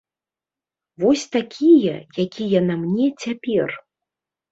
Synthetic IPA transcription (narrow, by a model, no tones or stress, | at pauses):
vɔsʲt̪akʲʰijɐ̰jakʲʰijɐnamnʲɛt͡sʲapʲɛr